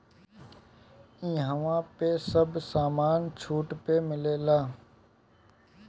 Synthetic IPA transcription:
ĩːɦəʋãːpesəbsaːmaːnt͡ʃʰuːʈpemɪleːlaː

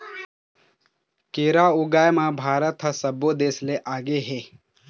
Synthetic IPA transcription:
keːɾaʊɡaːjmãbʱaːɾət̪ɦɐsɐbod̪eːsleʔaːɡeɦeː

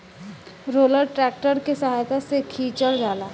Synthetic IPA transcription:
ɾoːləɾʈɾɛːk̚ʈəɾkesɐɦaːjt̪asekʰiːt͡ʃəld͡ʒaːlaː

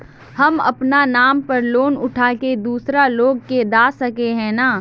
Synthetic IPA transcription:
hɐmɐ̰pnanaːmpɐɾloːnʊʈʰaːked̪uːsɾaloːɡked̪aːsɐkeɦɛ̃naː

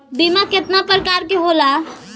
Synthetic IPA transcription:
bimakɪt̪napəɾkaːɾkeɦoːla

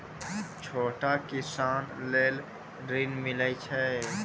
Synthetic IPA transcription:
t͡ʃʰoːʈakɪsaːnleːl | ɾinmɪləjt͡ʃʰɛ

